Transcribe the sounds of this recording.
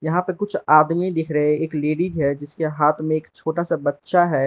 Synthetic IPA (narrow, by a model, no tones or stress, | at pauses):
jɐɦãpɐɾkʊt͡ʃʰaːd̪mid̪ɪkʰɾɐɦeeːkleːɖid͡ʒɦɛd͡ʒɪskeɦaːt̪ʰmẽeːkt͡ʃʰoːʈasabɐtːʃaɦɛː